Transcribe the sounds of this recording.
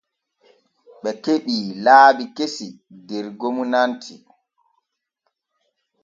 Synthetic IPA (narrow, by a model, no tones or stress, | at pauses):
ɓɛkeɓiːlaːbikesidɛɾɡomunantʰi